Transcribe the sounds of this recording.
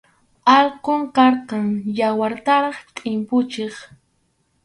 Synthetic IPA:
ɑlqʊŋkɑɾqɑŋjawaɾt̪aɾɑχt̪ʼɪmpʊt͡ʃeχ

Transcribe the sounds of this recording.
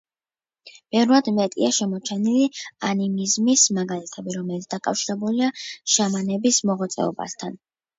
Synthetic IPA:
b̥ɛvɾvad̪mɛt̪ʼḭaʃɛmɔt͡ʃʰɛnilianimizmismaɡalit̪ʰɛbiɾɔmɛlit̪sd̪akʼafʃiɾɛbuliaʃamanɛbismɔʁat̪sʼɛ̰ɔ̰ba̰st̪ʰan

